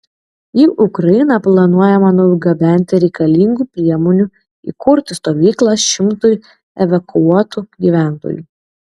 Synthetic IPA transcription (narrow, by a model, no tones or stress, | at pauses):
jiʔʊkɾɐɪnɐplˠɐnuɔjɛmɐnuɡɐbʲɛˑnʲt̪ʲɪɾʲɛɪkɐlʲiŋɡuːpʲɾʲiɛmɔːnʲu | ḭːkʊɾʲt̪ʲɪst̪oːʋʲiːklˠɐsʃʲɪmt̪ʊj | ɛʋɐkʊuɔt̪uɡʲiːʋʲæˑnt̪o̰ːjṵː